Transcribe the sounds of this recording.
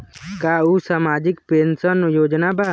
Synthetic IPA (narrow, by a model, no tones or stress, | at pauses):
kaːusaːmaːd͡ʒɪkpensənjoːd͡ʒnabʱa